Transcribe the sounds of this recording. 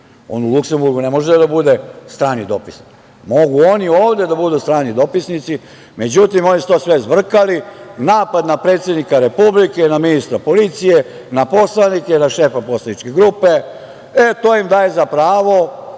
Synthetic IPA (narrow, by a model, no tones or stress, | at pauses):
o̰nulˠukse̞mbuɾɡunemo̞ʒed̪abud̪est̪ɾaːnid̪o̞pisni | mo̞ɡuo̞nioːʋd̪ed̪abud̪ust̪ɾaːnid̪o̞pisnit̪si | me̞d͡ʑut̪imo̞nisu̥t̪o̞sʋezʋr̩kalinaːpad̪napɾe̞ːt̪sje̞d̪nikaɾe̞publike̞naminist̪ɾapo̞lit̪sije | napo̞slanikenaʃe̞ːfapo̞slˠanit͡ʃkeɡɾupe | et̪oːimd̪aːjezapɾaːʋo̞